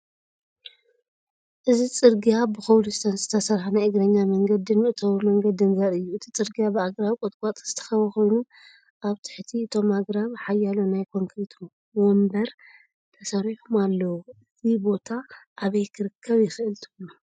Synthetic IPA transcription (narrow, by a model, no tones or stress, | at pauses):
ʔɨzit͡sʼɨɾɡijabɨxɐwlusɨt̪ʰɐnzɨt̪ʰɐsɐɾħanajɨɡɾɐɲːamɐŋɡɐd̪inmɨʔɨt̪ʰɐwimɐŋɡɐd̪ɨnɡɐɾɨjːuɨt̪ʰit͡sʼɨɾɡijabɨaɡɾawikʼot̪ʼkʼat̪ʼz̥ɨt̪ʰɐ̥xɐβɐxo̞jnu | ʔaβt̪ʰɨ̥ħt̪ʰiɨt̪ʰo̞maɡɾaβħajːalonajkʰo̞ŋkʰɾit̪ʰ | wombɐɾ | t̪ʰɐsɐɾiħumalːɐwuɨzibo̞t̪ʰaʔːβɐjkʰɨɾɨkʰːɐβjɪxɨʔɨlt̪ʰumu